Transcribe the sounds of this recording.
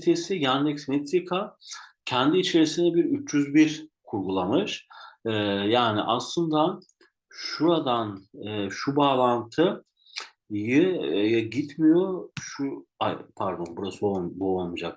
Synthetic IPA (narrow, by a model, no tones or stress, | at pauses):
t̪ʰesijand̪ɛksmɛt̪sikʰacʰɛnd̪iːt͡ʃʰe̞ɾisinɛbiɾyt͡ʃʰd͡ʒyzbiɾkʰuɾɡulˠamɯʃ | jaːnḭʔaslˠɯnd̪a | ʃuɾad̪anɯːʃubaːlˠant̪ʰɯ | jɯjɛɟit̪mijoʃuajpʰæɾd̪o̞nbuɾasɯobolˠmud͡ʒak